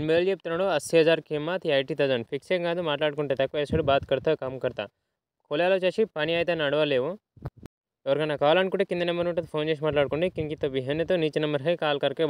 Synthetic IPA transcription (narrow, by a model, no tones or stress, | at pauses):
nbeːld͡ʒeːp̚t̪ɐnɐɽoɐsːiɦɐd͡ʒaːɾkemːat̪ʰɐjʈit̪ɐd͡ʒɐnpʰikseŋɡaːd̪umaːʈlaːɽ̚koɳʈet̪ɐkʋɐesɐɽbaːt̪kɐɾt̪ɐkɐmkɐɾt̪a̰ː | kʰoːljaːlɐʋt͡ʃaʃipɐniaːjt̪̬ɐnɐɽʋaleːʋo | ɐʋɐɾɡɐnːakaːlaɳkuʈekind̪ɐnɐmɐnʋuʈɐt̪pʰoːnd͡ʒeːʃ̬maːʈlaːɽkoɳɖikiŋkit̪ːɐbiɦɐnɐt̪uniːt͡ʃnɐmbɐɾɦɐjkaːlkɐɾke